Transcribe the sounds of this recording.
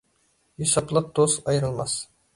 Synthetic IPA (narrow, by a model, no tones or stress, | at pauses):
josɑplˠɤq̚d̪̥ozɒjɾɤ̆lˠmɑs